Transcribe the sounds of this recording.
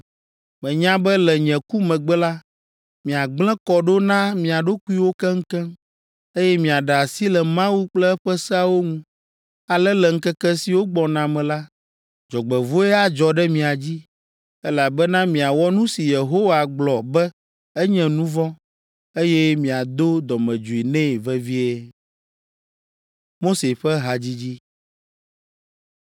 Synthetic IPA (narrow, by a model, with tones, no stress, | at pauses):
mɛ̃˨ɲã˦bɛ˦lɛ˨ɲɛ̃˨ku˦mɛ̃˨ɡ͡bɛ˦la˦ | mĩ˨a˨ɡ͡blɛ̃˦kɔ˨ɖo˦nã˦mĩ˨a˨ɖo˦ku˦i˦wo˦kɛ˦ŋ̩˦kɛ̃˦m | e˦jɛ˦mĩ˨a˨ɖa˨a˨si˦lɛ˨mã˦wu˦k͡plɛ˦ɸɛ˦sɛ˦a˦wo˦ŋũ˦ | a˨lɛ˦lɛ˨ŋ̩˦kɛ˦kɛ˦si˨wo˦ɡ͡bɔ˨nã˨mɛ̃˨la˦ | d͡ʒɔ˨ɡ͡bɛ˨vo˦ɛ˦a˦d͡ʒɔ˨ɖɛ˦mĩ˨a˨d͡ʑi˦ | ɛ˦la˨bɛ˦nã˦mĩ˨a˨wɔ˦nũ˦si˨je˨ɦo˦wa˨ɡ͡blɔ˨bɛ˦ | ɛ˦ɲɛ̃˨nũ˦vɔ˦ | e˦jɛ˦mĩ˨a˨d̪o˦d̪ɔ˨mɛ̃˨d͡ʒu˨i˨nɛ̃˦˨vɛ˦vi˦ɛ˦ | mo˦se˨ɸɛ˦ɦa˨d͡ʑi˦d͡ʑi˦